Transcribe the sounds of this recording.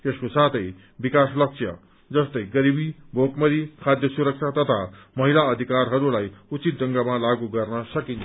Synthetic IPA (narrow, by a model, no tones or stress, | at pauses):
t̪eskosat̪ʰʌj | bikaslʌk̚sʰʌ̰ | d͡zʌst̪ʌjɡʌɾibibʱokmʌɾikʰad̪ʱjʌsuɾʌk̚t͡sʰat̪ʌt̪ʰamʌɦilaʌd̪ʱikarɦʌɾulajut͡sit̪̚d͡zʌŋɡamalaɡuɡʌrnʌsʌkint͡sʰʌ